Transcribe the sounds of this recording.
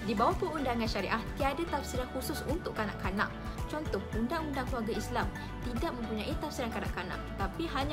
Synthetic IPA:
dibawahpəundaŋãnʃaɾiʔaht̪iadat̪afsiɾankususunt̪ʊʔkːana̰ʔkana̰ʔ | t͡ʃɔnt̪ɔhundaŋundaŋkluaɡaislam | t̪idaʔ̚mə̃mpuɲãʔit̪afsiɾankana̰ʔkana̰ʔt̪apihaɲa

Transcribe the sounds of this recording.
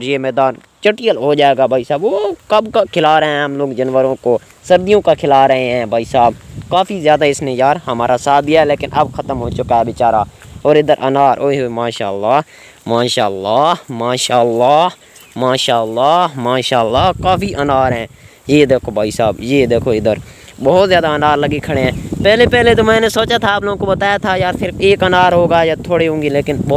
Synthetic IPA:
ɾjeːmɛːd̪aːn | t͡ʃəʈijəlɦoːd͡ʒaːeːɡaːbʱaːiːsaːbʋoːkəbkaːkʰɪlaːɾəɦɛ̃ːəmloːɡd͡ʒənʋəɾõːkoː | səɾd̪ijõːkakʰɪlaːɾəɦẽːɦɛ̃ːbʱaːiːsaːb̚kaːpʰiːzjaːd̪aːɪsneːjaːɾɦəmaːɾaːsaːt̪d̪ijaːɦɛleːkɪnʔəbkʰət̪əmɦoːt͡ʃʊkaɛːʋɪt͡ʃaːɾaːoːɾɪd̪əɾʔənaːɾʔoːiɦomaːʃaːlːaː | maːʃaːlːaːmaːʃaːlːaː | maːʃaːəlːaːmaːʃaːəlːaːkaːfʰiːʔənaːɾɦɛ̃ː | jeːd̪eːkʰoːbʱaːiːsaːbjeːd̪eːkʰoːɪd̪əɾ | bɔːt̪zjaːd̪aənaːɾləɡikʰəɽeːɦɛ̃ːpɛːleːpɛːleːt̪oːmɛ̃ːnesoːt͡ʃaːt̪ʰaːploːɡõkobət̪aːjaːt̪ʰaːjaːɾsɪɾəfeːkənaːɾɦoːɡaːjaːt̪ʰoːɽeːɦõːŋɡeːleːkɪnbɔ

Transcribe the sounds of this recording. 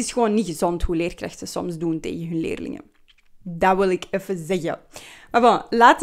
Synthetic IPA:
ɪsxəʋoːnːiɣəzɔntɦuleːrkra̰xtəsɔ̰mzduntḛːɣəɦɵnlḛːrlɪ̰ŋə̰ | daʋɪlˠɪkɛfəzɛɣə̰marbɔlaːt

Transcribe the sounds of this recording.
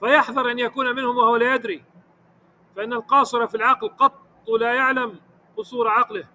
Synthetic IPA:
fajɑħðˤɑɾˤʔanjakuːnamɪnhʊmwahʊwalaːjad̪ɾi | faʔɪnːalqɑːsˤɨɾˤɑfilʕɑqlqɑt̪ˤːlaːjaʕlam | qʊsˤuːɾˤʕɑqlɪh

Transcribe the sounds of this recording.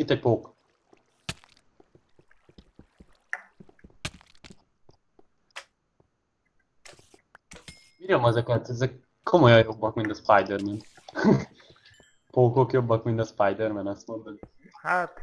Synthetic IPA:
it̪ːɛc̚poːk | iːɾomɛzɛkɛt̪ɛzɛkːʰ | o̞mojɒjjo̞bːɒkmint̪ɒspajd̪ɛrmɛn | poːkokjo̞bːɒkmint̪ɒspajd̪ɛrmɛnɒst̪mond̪oni | hat̪

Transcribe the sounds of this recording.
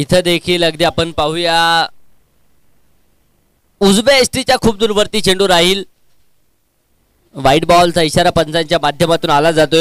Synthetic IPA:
it̪ʰəd̪ekʰiːləɡd̪iapəɳpaɦuja | ud͡zbeesʈit͡ɕjakʰuːb̚d̪uɾʋəɾt̪iːt͡ɕʰeɳɖuːɾaɦiːl | ʋaiʈbɔlt͡saiɕaɾapənt͡saɲt͡ɕjamad̪ʱjəmat̪uːnalad͡zat̪o

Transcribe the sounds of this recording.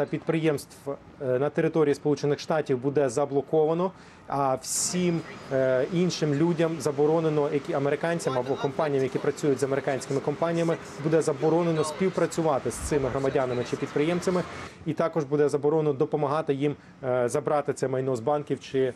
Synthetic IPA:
t̪ɐpʲid̪̚pɾɪjɛmst̪ʋ | nɐt̪eɾɪt̪ɔɾʲijispɔlˠut͡ʃenɪxʃt̪ɑtʲiwbud̪ɛzɐblˠɔkɔʋɐnɔ | ɐwsʲim | inʃɪmlʲudʲɐmzɐbɔɾɔnenɔjɐkʲiɐmeɾɪkɑnʲt͡sʲɐmɐbɔkɔmpɑnʲijɐmjɐkʲipɾɐt͡sʲujʊtʲzɐmeɾɪkɑnʲsʲkɪmɪkɔmpɑnʲijɐmɪ | bud̪ɛzɐbɔɾɔnenɔspʲiwpɾɐt͡sʲʊʋɑt̪ɪst̪sɪmɪɦɾɔmɐdʲanɐmɪt͡ʃɪpʲid̪̚pɾɪjɛmt͡sʲɐmɪit̪ɑkɔʒbud̪ɛzɐbɔɾɔnenɔd̪ɔpɔmɐɦɑt̪ɪjim | zɐbɾɑt̪ɪt̪sɛmɐjnɔzbɑnkʲiwt͡ʃɪ

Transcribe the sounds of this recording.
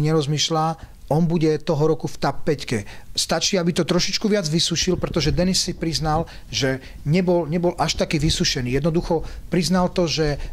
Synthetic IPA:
ɲɛɾɔzmiːʃla | ɔnbuɟɛt̪ɔɦɔɾɔkuft̪apːɛckɛ̰st̪at͡ʃiːabit̪ɔt̪ɾɔʃit͡ʃkuʋɪad͡zʋisuʃilpɾɛt̪ɔʒɛd̪ɛnisːipɾiznal | ʒɛ | ɲɛbɔlɲɛbɔlʔaʃt̪akiːʋisuʃɛniːjɛd̪nɔd̪uxɔpɾiznalt̪ɔʒɛ

